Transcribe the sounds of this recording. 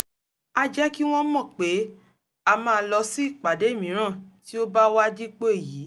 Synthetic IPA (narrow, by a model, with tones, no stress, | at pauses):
a˧d͡ʒɛ˦ki˦w̃ɔ̃˦mɔ̃˦˨k͡pe˨˦ | a˧mãː˦˧˦lɔ˧si˦i˦˨k͡pa˨de˨˦e˦˨mĩ˨˦ɾ̃ã˦˨ti˨˦o˦ba˦wa˦d͡ʒi˦k͡pe˦e˦˨ji˨˦